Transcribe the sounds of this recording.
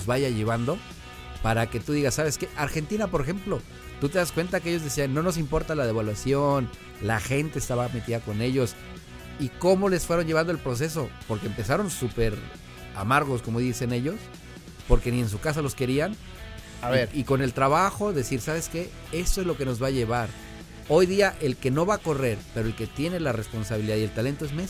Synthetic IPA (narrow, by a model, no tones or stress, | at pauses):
ozβaʝaʝe̞βand̪o̞ | paɾake̞t̪uðiɣasːaβe̞ske̞ʔaɾxe̞nt̪inapo̞ɾexe̞mplo̞ | t̪ut̪e̞ðaskwe̞nt̪akeeʝo̞zðe̞sianːo̞no̞s̬impo̞ɾt̪alaðe̞βalwasjo̞n | laxe̞nt̪eːst̪aβame̞t̪iðako̞ne̞ʝo̞s | iko̞mo̞le̞sfwe̞ɾo̞nʝeβand̪oe̞lpɾo̞s̬e̞s̬o̞po̞ɾkeːmpe̞saɾo̞nsupe̞ɾ | a̰maɾɣo̞sko̞mo̞ðise̞ne̞ʝo̞s | po̞ɾke̞nie̞ns̬ukas̬alo̞ske̞ɾian | aβeɾiko̞ne̞lt̪ɾaβaxo̞ðe̞siɾsaβe̞ske̞ | e̞st̪oezlo̞ke̞no̞zβaːʝe̞β̞aɾ | o̞jðiaʔe̞lke̞no̞βako̞re̞ɾpe̞ɾo̞e̞lke̞t̪je̞ne̞lare̞spo̞nsaβiliðaðie̞lt̪ale̞nt̪oezmes